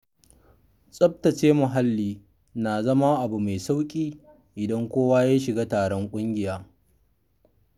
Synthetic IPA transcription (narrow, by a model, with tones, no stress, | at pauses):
sʼɐ˦b̚tɐ˨t͡ʃeː˦mʊ˨ɦa˦lːiː˦ | na˨zɐ˦ma˦ʔa˨bu˨me˨sa˦wkʲʼiː˦ | ʔɪ˨dɐ˦ŋkʷoː˦waː˦jaː˦ʃɪ˨ɡaː˦taː˨ɽɔ˦ŋkʷʼʊ˦ŋɡʲɪ˨jaː˦